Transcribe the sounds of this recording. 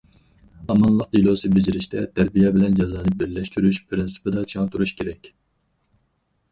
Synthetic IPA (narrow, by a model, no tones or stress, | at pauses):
ɑmɑnlˠəqjilˠosɨbed͡ʒiɾiʃt̪ʰɛt̪ʰæɾbijɛbɪlɛnd͡ʒɑzɑːnɨbɪɾlɛʃt̪ʰyɾyʃpʰɾɪnsɨ̥pɨd̪ɑt͡ʃʰɑŋt̪ʰuɾuʃkʲʰeɾɛkʲ